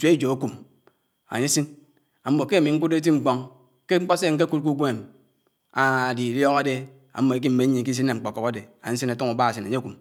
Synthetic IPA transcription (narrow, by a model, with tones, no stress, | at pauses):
t͡ʃʷd͡ʒo˨o˦ku˨m | a̰˨ɲe˦si˦n | a˨m̩˦bo˨ke˦˨mi˨ŋ̩˦ku˦de˦ti˦ŋ͡m̩˦k͡pɔ˦ŋ | ke˦ŋ͡m̩˦k͡po˦se˦˨ŋ̩˦k̬e˦ku˦t̚k̬u˦ɡʷe˦˨m | a˨a˨di˨ljɔ˦ɣa˦de˦ | a̰˨m̩˦mo˨e˨˦k̬i˦m̩˦me˨˦ɲi˨ŋ˨ki˦s̬i˦e˨ŋ͡m̩˨k͡pɔ˨kɔ˨ka˦de˨a˨ɲ˨˦si˦na˨tu˦ŋu˨ba˦a˨si˨na˨ɲe˦ku˨m